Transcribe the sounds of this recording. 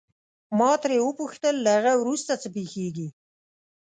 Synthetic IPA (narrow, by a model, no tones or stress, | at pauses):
mɑt̪ɾewəpuxt̪əlːahaɣawɾust̪at͡səpexeɡi